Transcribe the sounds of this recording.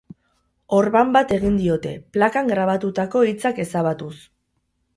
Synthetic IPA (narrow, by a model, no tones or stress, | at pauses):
o̞ɾβambat̪e̞ɣind̪io̞t̪e̞̰plakaŋɡɾaβ̞at̪ut̪ako̞it͡sake̞saβ̞at̪us